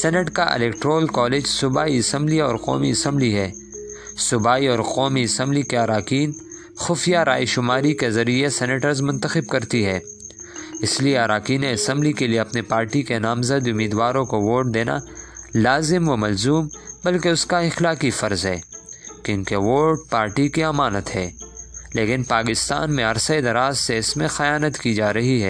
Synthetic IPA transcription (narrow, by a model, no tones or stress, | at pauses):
sɛnəʈkaʔɪ̰lɛːkʈɾoːlkɔːled͡ʒsʊbaːiɪsə̃mbliɔːɾqɔ̰ːmiɪsɐ̃mbliɦɛː | sʊbaːiɔːɾqɔːmiɪsə̃mblikeaːɾaːkiːn | xʊfijaɾa̰ːiʃʊmaːɾikezɐɾiesɛneʈəɾzmʊ̃nt̪əxɪb̚kɐɾt̪iɦɛː | ɪslieɐɾaːkiːnẽɐsə̃mblikelieɐpnepaːɾʈikenaːmzəd̪ʊmiːd̪ʋaːɾõkoʋoːɾʈ̚d̪eːna̰laːzɪmʋɐmɐlzuːmbɐlkeʊskaɪxlaːkifɐɾzɦɛːkjõːkeɐʋoːɾɖ̚paːɾʈikiɐmaːnət̪ɦɛːleːkɪnpaːkɪst̪a̰ːnmẽɐɾsəed̪ɐɾaːzseɪsmẽxɐjaːnət̪kid͡ʒaːɾɐɦiɦɛː